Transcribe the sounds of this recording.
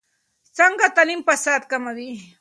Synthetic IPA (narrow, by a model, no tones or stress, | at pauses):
t͡saɴɢɑt̪animpasat̪̚kamaɾi